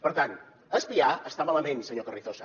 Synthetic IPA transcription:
pəɾt̪an | əspiaəst̪amalamẽnsəɲokəriθosa

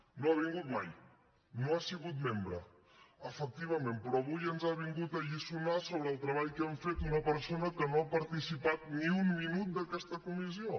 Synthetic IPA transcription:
noaβiŋɡut̪̚maj | noasiɣut̪̚membɾə̰ | əfək̚t̪iβ̞əmempɾɔβujənzaβ̞iŋɡut̪əʎisunasoβɾəːlˠt̪ɾəβ̞aʎkɛɱfet̪unəpəɾsonəkənoapəɾt̪isipat̪̚niumminut̪̚d̪əkɛst̪əkumisio

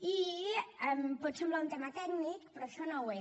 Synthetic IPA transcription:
iɛmpɔt̪səmblaunt̪emat̪ɛɡnik̚pɾɔʃɔnowe

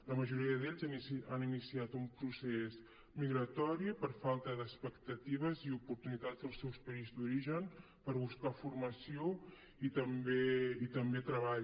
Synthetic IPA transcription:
ləməʒuɾiəðeʎzaninisiat̪umpɾuses | miɣɾət̪ɔɾiəpəɾfalˠt̪əðəspəkt̪ət̪iβəziupuɾt̪unit̪ad͡zəlˠsɛwspəizd̪uɾiʒən | pəɾβuskafurməsio | it̪əmbeit̪əmbet̪ɾəβaʎ

